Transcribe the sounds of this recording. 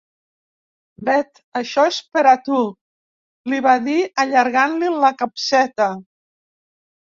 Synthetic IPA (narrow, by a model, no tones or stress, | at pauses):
bɛt̪ | əʃɔespəɾat̪u | liβaðiəʎaɾɣanliləkapsɛt̪ə